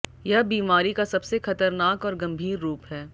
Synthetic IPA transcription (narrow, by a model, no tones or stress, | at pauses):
jɐbiːmaːɾikasɐbsexɐt̪əɾnaːkɔːɾɡɐ̃mbʱiːɾːuːpɦɛː